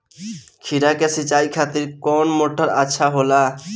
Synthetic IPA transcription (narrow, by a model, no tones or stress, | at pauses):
kʰiɾakesit͡ʃajkʰat̪iɾkɔnmoʈʰːɔɾa̰tːʃʰaɦola